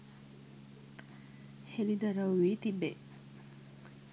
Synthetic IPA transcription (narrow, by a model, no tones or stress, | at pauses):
helid̪ɐɾɐʋiːt̪ibːe